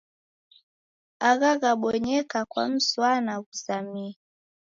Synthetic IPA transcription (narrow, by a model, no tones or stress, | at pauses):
aɣaɣaɓɔɲɛkakwa̰m̩swanaɣusamia